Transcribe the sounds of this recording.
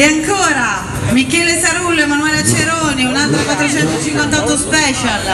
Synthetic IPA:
eaŋkoːɾa | mikːɛːlesaɾulːoemːanwalat͡ʃːeɾoːniunalt̪ɾokwat̪ːɾet͡ʃɛnt̪ot͡ʃiŋkwant̪aɔt̪ːospɛːt͡ʃal

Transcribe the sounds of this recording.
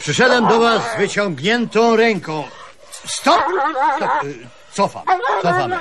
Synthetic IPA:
pʂɨʂɛd̪wɛmd̪ɔvazːvɘt͡ɕɔ̃ŋɡɲɛnt̪ɔ̃w̃ɾɛŋkɔ̃w̃ | st̪ɔpst̪ɔp | t̪sɔfa̰msɔfam

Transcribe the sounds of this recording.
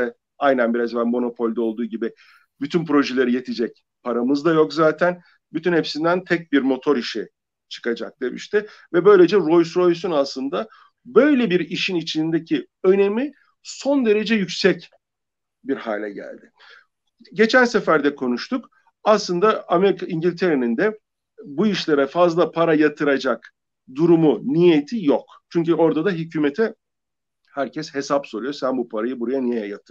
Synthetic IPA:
ɛ | ajnænbiɾazvænmo̞no̞pʰo̞lʲd̪ɛo̞lˠd̪uːɟibɪ | byt̪ʰynpɾo̞ʒelʲeɾɯjet̪ʰid͡ʒɛc̚ | pʰaɾamɯzd̪ajo̞kzaːt̪ʰæn | byt̪ʰynhe̞psind̪ænt̪ʰɛc̚biɾmo̞t̪ʰo̞ɾiʃɛ | t͡ʃʰɯ̥kad͡ʒa̰k̚d̪̥e̞mḭʃt̪ʰɪ | vɛbø̞jlʲe̞d͡ʒɛɾo̞jsɾo̞jsunaslˠɯnd̪a | bø̞jlʲebiɾiʃinit͡ʃʰinnd̪ecʰi | ø̞ne̞mi | so̞nd̪e̞ɾe̞d͡ʒɛjycsɛc | biɾha̰ːlʲɛɟæ̰lʲd̪ɪ | ɟe̞t͡ʃʰænsefæɾd̪ɛkʰo̞nuʃt̪ʰuk | aslˠɯnd̪aameɾikʰaiɲɟilʲt̪ʰe̞ɾenind̪ɛ | buiʃlʲeɾɛfazlˠapʰaɾajat̪ʰɯɾad͡ʒak | d̪uɾumunijet̪ʰijok | t͡ʃʰyɲcyo̞ɾd̪ad̪aɦycʰyːmet̪ʰɛ | hæɾcʰɛshe̞sapso̞lˠujosænbupʰaɾajɯbuɾajanijɛjat̪ʰːɯ

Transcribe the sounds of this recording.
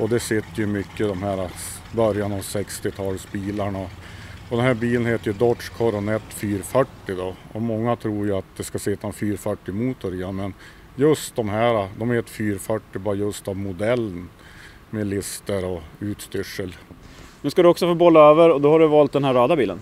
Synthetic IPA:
ɔd̪ɛsɪt̪ːəjɵmʏkːəd̪ɔmɦæɾa | bœɾjanɑvsɛkst̪ɪt̪ʰɑːlsbiːlaɳaɔd̪ɛnɦæːɾbiːlənheːt̪əɾjəd̪ɔʈʂkʰɔɾɔnɛt̪ːfyːɾfœʈːɪd̪ɔɔmɔŋːat̪ʰɾuːɾjəat̪̚d̪ɛskasɪt̪ʰːaɛnfyːɾfœʈːɪmuːt̪ʰːʊɾɪanmɛn | jɵst̪̚d̪ɔmɦæːɾad̪ɔmheːt̪ə̥fyːɾfœʈːɪbɑːɾajɵst̪avmʊd̪ɛlːn | mɛlɪst̪əɾɔʉːt̪st̪ʏʂːəlnɵskad̪ɵɔksɔfoːbɔlːaøːvəɾɔd̪ɔhaɖɵvɑːlt̪̚d̪ɛnhæɾːɑːd̪abiːlə̰n

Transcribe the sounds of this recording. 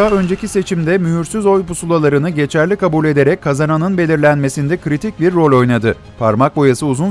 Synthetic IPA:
aø̞nd͡ʒe̞cise̞t͡ʃʰimd̪ɛmyɦyɾsyzo̞jpusulˠalˠaɾɯnɯɟe̞t͡ʃʰæɾlʲikʰabulʲe̞d̪e̞ɾɛckʰːazananɯnbe̞lʲiɾlʲænme̞sind̪ɛkɾit̪ʰic̚biɾːo̞lʲo̞jnad̪ɯ | pʰaɾmak̚bo̞jasɯuzun

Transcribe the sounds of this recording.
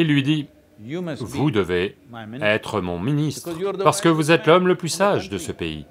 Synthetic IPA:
ilːɥid̪i | vud̪əveɛt̪χəmɔ̰̃minist̪χpaʁsə̥kəvuzɛt̪lɔmləplysaʒd̪əsəpḛḭ

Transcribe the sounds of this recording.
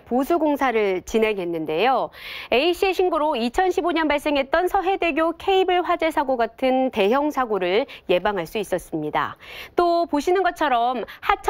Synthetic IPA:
posʰuɡoŋsʰaɾɯɭt͡ɕinɦeŋɦe̞nːɯnde̞joe̞iɕʰieɕʰinɡuɾoit͡ɕʰʌnɕʰiboɲʌnbaɭs͈e̞ŋɦe̞t̚t͈ʌnsʰʌɦe̞de̞ɡjokʰe̞ibɯɭɸwad͡ʑesʰaɡoɡatʰɯnte̞ɦjʌŋsʰaɡoɾɯɭje̞baŋɦaɭs͈uis͈ʌs͈ɯmɲida̰t͈opoɕʰinɯnɡʌt̚t͡ɕʰʌɾʌmhat͡ɕʰ

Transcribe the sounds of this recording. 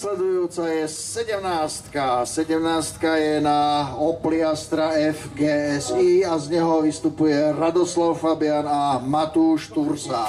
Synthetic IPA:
slɛd̪ujuːt͡sajɛsɛɟɛmnaːst̪kasɛɟɛmnaːst̪kajɛnaɔpliast̪ɾaɛfɡɛːɛziːazɲɛɦɔʋist̪upujɛɾad̪ɔslaʊfabɪanamat̪uːʃt̪uɾsa

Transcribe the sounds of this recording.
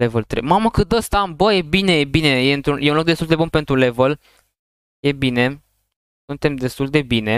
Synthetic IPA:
evəlt̪ɾḛmaməkɨt̪̚d̪əst̪ambəje̞bine̞jebine̞jeɨnt̪ɾunjeunlok̚d̪est̪uld̪e̞bunpe̞nt̪ɾule̞vəl | je̞bine̞ | sunt̪e̞md̪e̞st̪uld̪e̞bine̞

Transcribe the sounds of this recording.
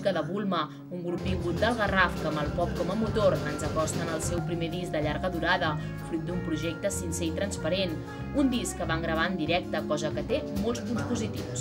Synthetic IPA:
kəðəβulˠmə | uŋɡɾup̚d̪iŋɡut̪̚d̪əlˠɣərafkəməlˠpɔp̚kɔməmut̪oɾənzəkɔst̪ənəlˠsɛwpɾimeðizd̪əʎaɾɣəðuɾaðə | fɾut̪̚d̪umpɾuʒɛk̚t̪əsinsɛit̪ɾənspəɾen | und̪iskːəβaŋɡɾəβ̞aənd̪iɾɛk̚t̪əkɔzəkət̪emolˠspunspuzit̪ḭws

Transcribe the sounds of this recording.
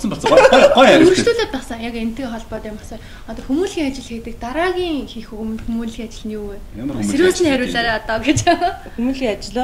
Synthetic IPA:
sə̆mpɔɮsɢɔjæɾʲur̆ʃt̪uːɮoːt̪̚pæːsə̆ŋjaken̥t̪ɘ̆kχɔɮpɔːt̪amɔsɔ | ɔt̪ɔːxumuːɮxiːŋat͡ɕɪ̆ɮxeːt̪ɘ̆k̚t̪aɾaːɣʲiːŋxixuɣmɘ̆nt̪xumuːɮxiːŋat͡ɕɪ̆ɮnuweseɾuːt͡ɕniːχæɾʲʊːɮaːɾaːɔt̪ɔːɡet͡ɕa | xumuɮxʲiːŋat͡ɕɪ̆ɮɔ

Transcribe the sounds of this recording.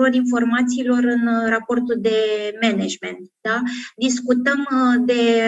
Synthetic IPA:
oɾinfo̞rmat̪siːlo̞ɾɨnrapo̞rt̪uld̪e̞mened͡ʒme̞nt̪̚d̪ad̪iskut̪əmd̪e̞

